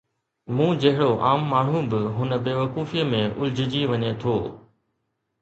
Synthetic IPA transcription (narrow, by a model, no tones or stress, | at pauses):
mũːd͡ʑɐɦɪɽoʔaːmːaːɳ̤ũbɪɦʊnə̆beːʋəkuːfiəmẽʔʊ̰ld͡ʑʱɪd͡ʑiʋɐɲet̪ʰoː